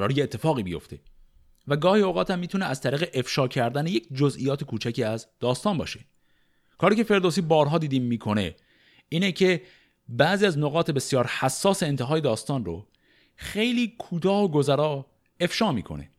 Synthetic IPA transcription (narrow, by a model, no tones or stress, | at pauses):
ɾɒːɾijeet̪ʰːe̞fɒːɣiːbijo̞̰ft̪ʰe̞ | væɡɒːhiːoɣɒːt̪ʰæmːiːt̪uneʔæz̥t̪ʰæɾiːɣe̞ʔe̞fʃɒːcʰæɾd̪æneje̞cd͡ʒozʔijɒːt̪ʰekʰuːt͡ʃʰæciːæzd̪̥ɒːst̪ɒːnbɒ̰ːʃe | kʰɒːɾiːcʰe̞fe̞ɾd̪oːsiːbɒːɾɦɒːd̪iːd̪iːmmiːkʰo̞ne̞̰ | iːnecʰe̞ | bæziːæznoɣɒːt̪ʰe̞be̞sjɒːɾhæsːɒːse̞ent̪ʰeɦɒːje̞d̪ɒːst̪ɒːnro̰ | xejliːkʰuːt̪ʰɒːhoɡo̞zæɾɒː | e̞fʃɒːmiːkʰo̞̰ne̞̰